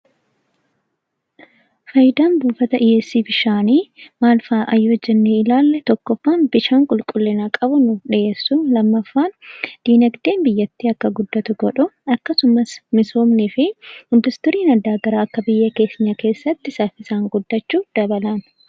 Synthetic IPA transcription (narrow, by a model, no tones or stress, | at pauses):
fɐjɪd̪aːnbuːfɐt̪ɐʔɪːɛsːiːfɪʃaːniːmaːlfaːʔɐjːod͡ʒːɛnːeːɪlaːlːɛt̪ɔkːɔfːaːnbɪʃaːŋkʼʊlkʼʊlːɪnaːkʼɐbʊnʊᶑɪʔeːsːulɐmːɐfːaːnd̪̥iːnɐɡd̪e̞ːnbɪjːɐt̪ːiːɐkːɐɡʊd̪ːɐt̪ʊɡɔᶑʊɐkːɐsʊmɐsmɪso̞ːmnɪfɪɪnd̪ʊst̪ɔɾiːnɐd̪aːɡɐɾaːɐkːɐbɪjːɐke̞ːsɪɲːɐke̞ːsːɐt̪ːɪsafɪsaːŋɡʊd̪ːɐt͡ʃːuːd̪̥ɐbɐlɐn